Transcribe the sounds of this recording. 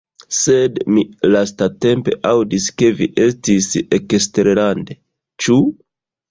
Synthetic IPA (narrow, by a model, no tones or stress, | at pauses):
se̞dmilastate̞mpe̞ʔawdiske̞viʔe̞stisekesteɾeɾande̞ | t͡ʃu